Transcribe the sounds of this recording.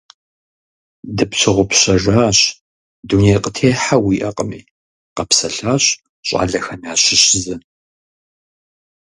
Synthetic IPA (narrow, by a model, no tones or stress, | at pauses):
dɨpɕʰɪʁʷʊpɕɐʒaːɕ | duːnejqətʰeːħawiːʔɐqʼəmḭː | qɐpsɐɬaːɕ | ɕʼa̰ːɮɐxɐnaːɕɪɕzɐ